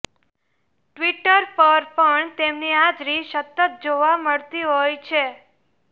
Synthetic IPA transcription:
ʈʋiʈəɾpəɾpəɳt̪emniad͡ʒɾiʃət̪ːət̪̚d͡ʒoʋaməɭt̪iɦojt͡ʃʰe

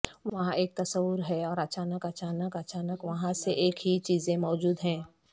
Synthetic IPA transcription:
ʋʋɐɦãʔeːk̚t̪ɐsəʋːʊɾɦɛɔːɾɐt͡ʃaːnəkɐt͡ʃaːnəkɐt͡ʃaːnəkʋɐɦãseʔeːkɦit͡ʃiːzẽmɔːd͡ʒuːd̪ɦɛ̃ː

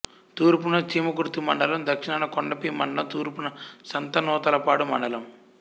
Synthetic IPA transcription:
t̪uːɾp̬unɐt͡ʃiːmɐkuɾt̪umɐ̰ɳɖɐlɐmd̪ɐkʂinɐnɐkoɳɖɐpimɐ̰ɳɖɐɐmt̪uːɾpunɐsɐnt̪ɐnɔːt̪ɐlɐpaːɽumɐ̰ɳɖɐlɐm

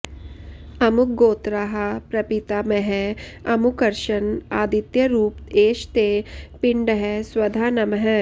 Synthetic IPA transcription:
ɐmuk̚ɡoːt̪ɾaɦapɾɐpit̪aːmɛɦɛɐmukɐɾʃɐnaːd̪it̪jɐɾuːpeːʃt̪eːpɪɳɖəɦɛswɐd̪ʱaːnɐmɦɛ

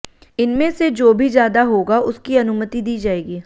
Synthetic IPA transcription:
ɪnmẽsed͡ʒoːbʱizjaːd̪aɦoːɡaʔʊskiɐnʊmət̪id̪iːd͡ʒaːeːɡiː

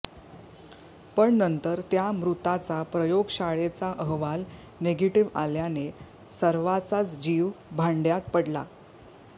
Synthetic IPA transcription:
pəɳnənt̪əɾt̪jamɾut̪at͡sapɾəjoɡɕaɭet͡saʔəɦʋal | neɡeʈiʋa̰ljane | səɾʋat͡sat͡sd͡ʑiʋbʱaɳɖjat̪̚pəɽla

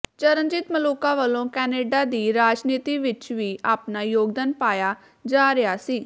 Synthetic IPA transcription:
t͡ʃəɾənd͡ʒɪt̪məloːkaːʋəlːõːkɛːneːɖaːd̪iːɾaːd͡ʒniːt̪iːʋɪt͡ʃʋiːaːpnaːjoːɡd̪aːnpaːjaː | d͡ʒaːɾeaːsiː

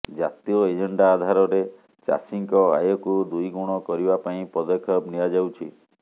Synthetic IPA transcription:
d͡ʒat̪iɔed͡ʒeɳɖaːd̪ʱaɾɔɾe | t͡ʃa̰siŋkɔa̰jɔkud̪ujɡuɽ̃ɔkɔɾibapaĩpɔd̪ɔkʰːɔbniad͡ʒawt͡ʃʰi

